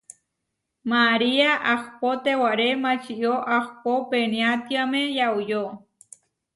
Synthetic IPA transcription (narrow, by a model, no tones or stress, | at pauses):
maɾiaʔaxpot̪ewaɾemat͡ʃijoʔaxpopeniat̪iamejaujo